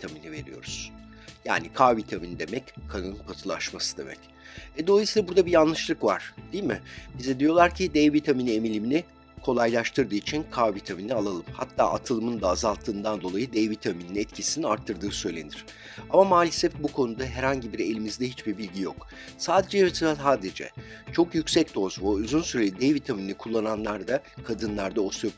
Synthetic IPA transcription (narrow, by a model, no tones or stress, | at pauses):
t̪ʰaminive̞̰ɾḭjo̞̰ɾuz̥ | ja̰ːnikʰavit̪ʰaminid̪e̞mɛckʰanɯnɯnpʰat̪ʰɯlˠa̰ʃmasɯ̥d̪e̞̰mɛ̰c | ɛd̪o̞lˠajsiːlˠabuɾd̪abijanlˠɯʃlˠɯkva̰ɾ̥d̪̥ijilmɪbizɛd̪ijo̞lˠaɾcʰid̪ɛvit̪ʰaminiemilʲiminɪ | kʰo̞lˠajlˠaʃt̪ʰɯɾd̪ɯːit͡ʃʰinkʰavit̪ʰaminialˠalˠɯmha̰t̪ʰːa̰ːʔat̪ʰɯlˠɯmɯnd̪aːzalˠt̪ʰːɯːnd̪and̪o̞lˠajɯd̪ɛvit̪ʰamininɛt̪cʰisiniaɾt̪ʰːɯɾd̪ɯːsø̞jlʲe̞̰niɾ̥ | amamaːlʲisɛft̪bukʰo̞nud̪aɦɛɾhaɲɟibiɾe̞lʲimizd̪ɛɦit͡ʃbiɾbilʲɟijo̰k | saːd̪e̞d͡ʒɛɛsiaaːd̪ed͡ʒɛ̰ | t͡ʃʰo̞kjycsɛc̚d̪o̞zvoyzynsyɾelʲid̪ɛvit̪ʰaminikʰulˠːananlˠaɾd̪akʰad̪ɯnlˠaɾd̪aosujo